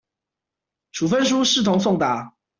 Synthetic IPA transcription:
ʈ͡ʂʰu˨˩fə˦˥nʂ̬u˥ʂɻ̩˥˩t̪ʰʊ˧˥ŋsʊ˥˩ŋt̪a˨˦

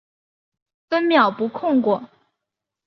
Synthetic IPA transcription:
fə˥nmjɑ˨˩ʊpu˧˥kʰʊ˥˧ŋkwɔ˥˩

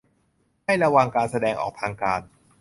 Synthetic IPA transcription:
ma˥˩jɾa˧wa˧ŋkaː˧nsa˧dɛː˧ŋʔɔ̰ː˨˩k̚t̪ʰaː˧ŋkaː˧n

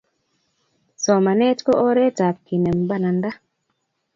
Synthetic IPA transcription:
sɔ˨ma˨nɛ˦tkɔ˦ʔɔ˦ɾɛ˦ta˨p̚ki˨nɛ˨mba˦˨na˨nda˦

